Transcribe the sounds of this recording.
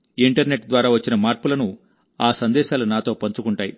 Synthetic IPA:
iɳʈɐɾne̞ʈd̪ʋaːɾaːʋɐt͡ʃːinɐmaːɾpulɐnu | aːsɐnd̪ɛːʃaːlunaːt̪o̞ːpɐɲt͡ʃukuɳʈaːji

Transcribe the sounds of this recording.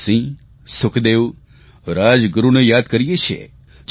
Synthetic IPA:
sĩ | sʊkʰd̪eʋ | ɾad͡ʒɡʊɾunejaːd̪kəɾijet͡ʃʰḛ | d͡ʒ

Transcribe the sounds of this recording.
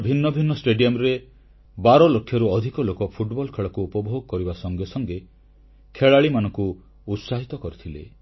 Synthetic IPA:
bʱinːɔbʱinːɔsʈeɖijɔmɾe | baɾɔlokʰːjɔɾuɔd̪ʱikɔlokɔpʰuʈbɔlkʰeɭɔkuːpɔbʱoɡɔkɔɾibasɔŋɡjɔsɔŋɡe | kʰeɭaɭimanɔŋku | ut̪saɦit̪ɔkɔɾut̪ʰilḛ

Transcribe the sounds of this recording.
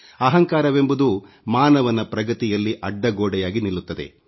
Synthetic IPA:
ɐɦɐŋkaːɾɐʋe̞mbud̪u | maːnɐʋɐnɐpɾɐɡɐt̪ijɐlːiʔɐɖːɐɡoːɽɛjaːɡinilut̪ːɐd̪ḛ

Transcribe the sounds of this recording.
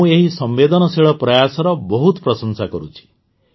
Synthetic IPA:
ũeɦisɔmbed̪ɔnɔsiɭɔpɾɔjasɔɾɔbɔɦut̪pɾɔsɔnsakɔɾut͡ʃʰi̥

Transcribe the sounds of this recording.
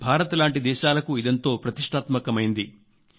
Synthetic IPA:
bʱaːɾɐt̪laːɳʈid̪ɛːʃaːlɐkuid̪ɐnt̪o̞ːpɾɐt̪iʂʈʰaːt̪mɐkɐmɐjind̪i

